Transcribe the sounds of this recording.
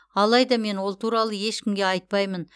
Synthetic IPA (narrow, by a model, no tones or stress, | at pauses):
ɑlˠɑjd̪ɑme̞nwo̞lˠt̪ʰuɾɑlˠəje̞ʃkʲɪmɡʲe̞ɑjt̪̚pɑjmən